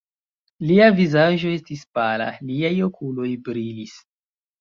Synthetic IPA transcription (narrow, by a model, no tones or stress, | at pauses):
liavizaʒo̞e̞stispala̰liajo̞kʰulo̞jbɾilis